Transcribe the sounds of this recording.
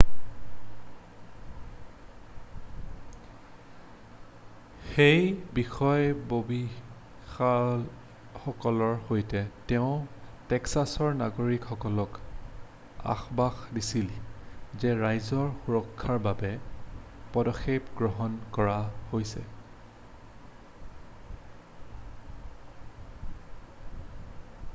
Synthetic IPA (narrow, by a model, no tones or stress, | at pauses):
xejbixɔjbobi | xal | xɔkɔlɔɹhojtɛtɛʊ̃tɛksasɔɹnaɡoɹikxɔkɔlɔk | a̰xbaxdisilzɛɹajzɔɹxuɹɔkʰːaɹbabɛ | pɔdɔxʰːebɡɹɔɦɔnkɔɹahojsɛ̰